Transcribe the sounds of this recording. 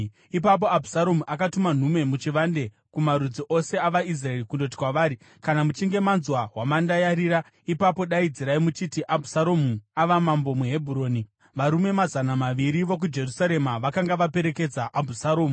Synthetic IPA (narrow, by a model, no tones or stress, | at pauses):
ipap̬o̞abʱusaɾo̞muʔakatuman̤ume̞mut͡ʃiʋande̞ | kumaɾud͡ziʔo̞se̞aʋais̬raerikundo̞t̬i̥kwaʋaːɾi | kanamut͡ʃiŋɡe̞manzwaɦwamandajaɾiːɾa | ipapo̞ɗaid͡ziɾaimut͡ʃitiʔabʱusaɾo̞muaʋamambo̞mweɦebʱuɾo̞ːni | ʋaɾume̞mazanamaʋiɾiʋo̞k̬ud͡ʒe̞rusaɾe̞maʋakaŋɡaʋape̞ɾe̞ke̞d͡zaʔabʱusaɾoːmu